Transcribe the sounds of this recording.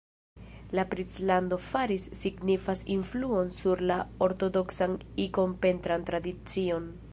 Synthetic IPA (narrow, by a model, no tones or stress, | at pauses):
lapɾit͡slando̞faɾisːiɡnifasinfluo̞nsuɾlaoɾto̞do̞ksaniko̞mpe̞ntɾantɾadit͡sio̞n